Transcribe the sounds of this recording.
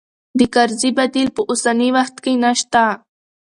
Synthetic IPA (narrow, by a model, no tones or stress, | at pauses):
d̪ikaɾzibad̪ilpəʔʊsaniwaxt̪kijnaʃt̪a